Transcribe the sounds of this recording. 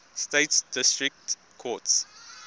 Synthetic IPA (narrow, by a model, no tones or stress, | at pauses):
steːtsdɪstɹɪk̚t | kʰɔts